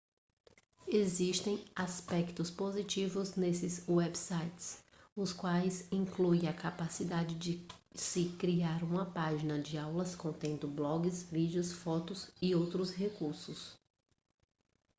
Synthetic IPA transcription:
eziʃt̪ẽj̃aspɛkt̪ʊspozit͡ʃivʊznesɪzuɛbsajt͡ʃɪsʊskwajsĩŋkluẽɐkapasid̪ad͡ʒɪd͡ʒɪsɪkɾiaɾũmɐpaʒinɐd͡ʒɪawlɐskõnt̪ẽnd̪ʊblɔɡɪsvid͡ʒɪʊsfɔt̪ʊsɪowt̪ɾʊshekuɾsʊs

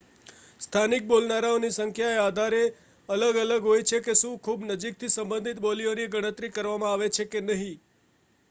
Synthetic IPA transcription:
st̪ʰanik̚bolnaɾaonisəŋkʰjaead̪ʱaɾe | ələɡələɡɦojt͡ʃʰekeʃũkʰubnəd͡ʒik̚t̪ʰisəmbə̃nd̪ʱit̪bolionieɡəɽ̃ət̪ɾikəɾʋamãaʋet͡ʃʰekenəɦĩ

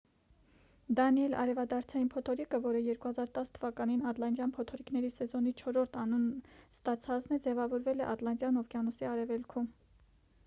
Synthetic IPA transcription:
d̪ɑniɛlɑ̰ɾɛvɑd̪ɑɾt͡sʰɑjinpʰɔt̪ʰɔɾikəvɔɾəjɛɾkuhɑzɑɾt̪ɑst̪ʰəvɑkɑninɑt̪lɑnd̪jɑnpʰɔt̪ʰɔɾiknɛɾisɛzɔnit͡ʃʰɔɾɔɾt̪ʰɑnunst̪ɑt͡sʰɑt͡snɛd͡zɛvɑvɔɾvɛlɛʔɑt̪lɑnd̪jɑnɔfkjɑnɔsiɑɾɛvɛlkʰum

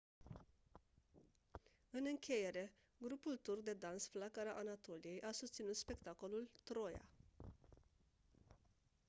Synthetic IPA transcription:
ɨnɨŋkʲe̞je̞ɾe̞ | ɡɾupult̪urk̚d̪e̞d̪ansflakaɾaʔanat̪o̞lije̞jʔasust̪sinut̪spe̞kt̪ako̞lult̪ɾo̞ja̰

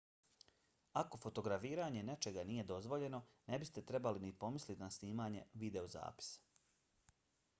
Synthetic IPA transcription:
ako̞fo̞t̪o̞ɡɾafiːɾaːɲe̞ne̞t͡ʃe̞ɡaniːje̞d̪o̞zʋo̞ʎe̞no̞ne̞bist̪e̞t̪ɾe̞balinipo̞mislit̪nasniːmaːɲe̞̰ʋid̪e̞oza̰ːpi̥sḁ

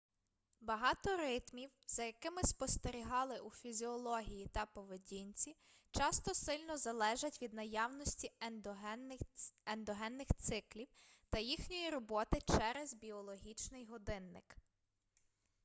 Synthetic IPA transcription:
bɐɦɑt̪ɔɾɪt̪mʲiwz̥ɐjɐkɪmɪspɔst̪eɾʲiɦɑlˠɪʔufʲizʲiɔlˠɔɦʲijit̪ɐpɔʋedʲinʲt͡sʲi | t͡ʃɑst̪ɔsɪlʲnɔzɐlˠɛʒɐtʲʋʲid̪nɐjɑwnɔsʲtʲi | end̪ɔɦɛnːɪxt̪sɪklʲiwt̪ɐjixnʲɔjiɾɔbɔt̪ɪt͡ʃɛɾɛzbʲiɔlˠɔɦʲit͡ʃnɪjɦɔd̪ɪnːɪ̰k

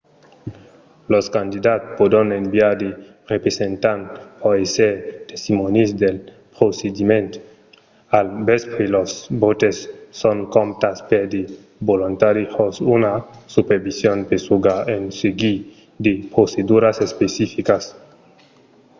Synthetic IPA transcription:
loskand̪id̪at̪pod̪onembiaɾd̪e | repɾesent̪anpoeset̪est̪imonisd̪el | pɾosed̪imẽnt̪o̥ | albespɾelosbot̪esːoŋkomt̪aspeɾd̪e | bolunt̪aɾixosunasupeɾbisjonpesuɡaenseɡi | d̪epɾosed̪uɾasespesifikas

